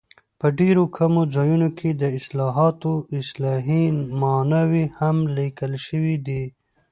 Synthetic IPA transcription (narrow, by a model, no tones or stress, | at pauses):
pəɖeɾokʰamozɑjunokʰed̪əɪslɑɦɑt̪oɪslɑɦimɑnawihamlikəlʃəwid̪i